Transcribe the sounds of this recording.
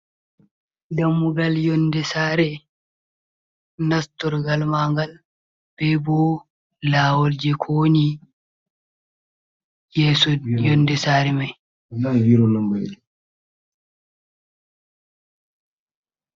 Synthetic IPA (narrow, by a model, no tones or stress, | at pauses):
damːuɡaljɔndɛsaːɾɛ | nastɔɾɡalmaŋɡal | b̥ɛbɔ | laːwɔld͡ʒɛkʰoːni | jɛːsɔjɔndɛsaɾɛmaj | iɾɔnamba